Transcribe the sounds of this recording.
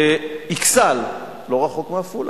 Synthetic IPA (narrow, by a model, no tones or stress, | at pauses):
iksal | lo̞ʁaχo̞kmeaful